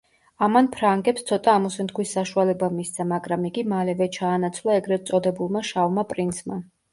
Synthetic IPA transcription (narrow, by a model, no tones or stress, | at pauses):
amanpʰɾaŋɡɛpst̪sʰɔt̪ʼaːmɔsɛnt̪kʰwisːaʃualɛbamist̪sʰamaɡɾamiɡimalɛvɛt͡ʃʰaːnat̪sʰvlˠaɛɡɾɛt̪sʼɔd̪ɛbulˠmaʃavmapʼɾinsma